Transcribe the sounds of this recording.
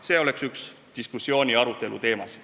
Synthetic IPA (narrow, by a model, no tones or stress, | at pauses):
se̞ːo̞le̞ksyks | d̪̥iskusːio̞ːnʲiɑɾut̪ːˑe̞lṵt̪e̞ːmɑs